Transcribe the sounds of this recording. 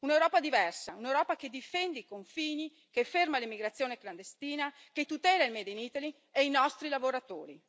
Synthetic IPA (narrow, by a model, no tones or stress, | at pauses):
unewɾɔːpad̪ivɛrsaunewɾɔːpaked̪ifɛnd̪eikoɱfiːni | kefermalimːiɡɾat̪sːjoːnekland̪est̪iːna | ket̪ut̪ɛːlailmed̪enit̪ali | einɔst̪ɾilavoɾat̪oːɾḭ